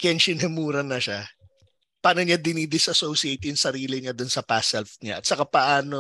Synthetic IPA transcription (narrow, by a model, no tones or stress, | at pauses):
kɐɐnʃɪnɛmuːɾɐnɐʃa | paːnoɲad̪ɪnid̪ɪsʔɐsowsiejt̪jʊŋsɐɾiːlɪɲad̪ʊnsɐpasɛlfɲa̰ʔɐt̪sɐkapɐʔaːno